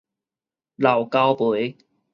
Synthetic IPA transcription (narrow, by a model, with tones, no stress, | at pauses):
la˨˩wka˥wpu˨˦j